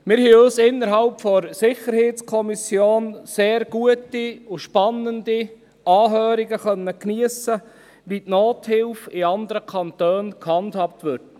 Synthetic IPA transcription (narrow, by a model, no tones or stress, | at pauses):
mɪːɾhɛːøːsɪnːəɾɦɑlpfɔɾsɪχəɾheːtt͡skʰɔmisjoːnseːɾɡ̥uətiʊʃpɑnːəndi | ɑːɦœːɾiɡəχœnːəkniəsə | ʋitnoːthɪlfɪɑnd̪əɾəkʰɑntøːnkhɑndhɑːp̚t̪ʋʏɾt